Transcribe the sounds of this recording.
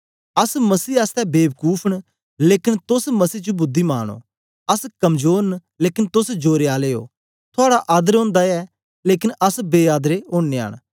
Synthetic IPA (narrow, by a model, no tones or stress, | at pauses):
ɐsmɐsiːɐst̪ɛbeːbəkuːpʰəɳ̃ | leːkɪnt̪ʊsmɐsiːt͡ʃubʊd̪ʱːima̰ːɽ̃o̰ː | ɐskɐmd͡ʒoːɾən | leːkɪnt̪ʊsd͡ʒoːɾeaːleːo̰ː | t̪ʰʊaːɽaʔaːd̪əɾɦõːnd̪aɛ | leːkɪnɐsbeːaːd̪ɾeõːnːea̰ːɽ̃